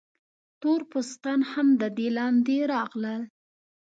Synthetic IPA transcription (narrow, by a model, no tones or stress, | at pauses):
t̪oɾpost̪ɑnhamd̪əd̪elɑnd̪eɾɑɣləl